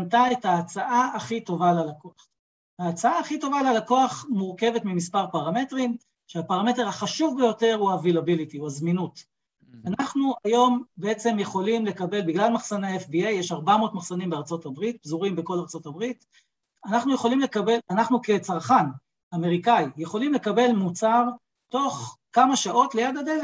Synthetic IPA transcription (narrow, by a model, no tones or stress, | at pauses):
ntae̞taːt͡saʔaaχito̞valalakoaχ | haːt͡saaːχito̞valalako̞aχmuʁke̞vetmimispaʁpaʁame̞tʁim | ʃeapaʁame̞te̞ʁhaχaʃuvbejo̞te̞ʁuavilabilitiuazminut | anaχnuajo̞mbee̞t͡se̞mjeχo̞limle̞kabe̞lbiɡlalmaχsaneefbiejːeʃaʁbamo̞ːtmaχsanimbeaʁt͡so̞tabʁit̚bzuʁimbeko̞laʁt͡so̞tabʁit | anaχnujeχo̞limlekabe̞lanaχnuke̞t͡saʁχan | ameʁikajjeχo̞limle̞kabe̞lmut͡saʁ | to̞χkamaʃaʔo̞tle̞jad̪adele